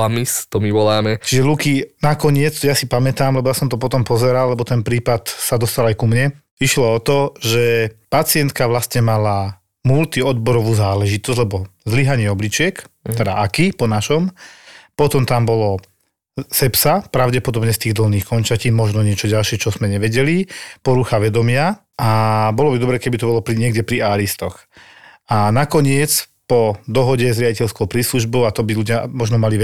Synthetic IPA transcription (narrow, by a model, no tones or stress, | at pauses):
amist̪ɔmiʋɔlaːmɛt͡ʃiʒɛlukinakɔɲɪɛt͡sjasipamɛt̪aːmlɛbɔjasɔmt̪ɔpɔt̪ɔmpɔzɛɾalːɛbɔt̪ɛnpɾiːpat̪sad̪ɔst̪alajkumɲɛ | iʃlɔɔt̪ɔʒɛpat͡sɪɛnt̪kaʋlast̪ɲɛmala | mult̪iɔd̪bɔɾɔʋuːzaːlɛʒit̪ɔzɟʲlɛbɔzliɦaɲɪɛɔblit͡ʃɪɛkt̪ɛd̪a̰ʔakipɔnaʃɔmpɔt̪ɔmt̪ambɔlɔ | sɛpsapɾaʊɟɛpɔd̪ɔbɲɛst̪iːɣd̪l̩niːxkɔnt͡ʃaciːmɔʒnɔɲɪɛt͡ʃɔɟalʃɪɛt͡ʃɔzmɛɲɛʋɛɟɛlipɔɾuxaʋɛd̪ɔmɪa | ʔabɔlɔbid̪ɔbɾɛːkɛbit̪ɔbɔlɔpɾiɲɪɛɡɟɛpɾiaːɾist̪ɔx | anakɔɲɪɛt͡spɔd̪ɔɦɔɟɛzɾɪaɟicɛlskɔʊpɾiːsluʒbɔʊat̪ɔbiluɟɪamɔʒnɔmaliʋɛ